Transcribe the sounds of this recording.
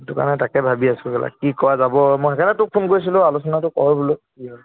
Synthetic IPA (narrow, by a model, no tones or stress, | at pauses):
dʊka̰nɛtakɛbʱabiasʊɡɛla̰kikɔɹazabɔmoxɛkʰɛnɛtʊk̚pʰunkoɹjs̬ilʊ̃alʊsɔnatʊkɔ̰ɹɔbulokiɦɔ